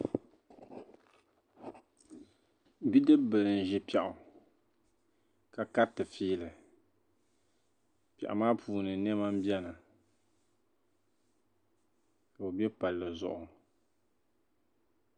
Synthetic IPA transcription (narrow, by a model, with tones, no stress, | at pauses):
bi˦dɨ˦bbɨ˨lɨ˨n̩˨ʒɪ˦pɛ˨ʔʊ˨ | ka˨ka˦tɨ˨fiː˦lɨ˨ | pɛ̰˨ʔa̰˨maː˦pʰuː˨˦nɨ˨nɛ˦ma˦m̩˦bi˦ɛ˦na˨ | ka˨o˨bɛ˦pa˨lːɨ˨zʊ̰˨ʔʊ˨